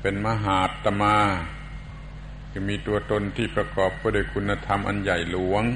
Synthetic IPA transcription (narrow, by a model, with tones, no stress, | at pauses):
pe˧nmaː˧ɦaː˨˩˦t̪ːa˧maː˧ | kʰɯ˧˩miː˧˥t̪u˧ɐt̪o˧˥nt̪ʰiː˥˩pɾa˧kɔː˨˩p̚kʰɯː˧˩˦duː˧˩˨jkʰu˧nːa˧t̪ʰa˧mʔa̰˧nja˨˩jlu˨˩˦əŋ